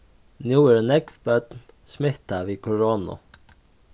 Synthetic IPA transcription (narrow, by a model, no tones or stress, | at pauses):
njuːɾnɛkʋbœd̪n | smɪht̪aʋiːkʰʊɹoːnʊ̰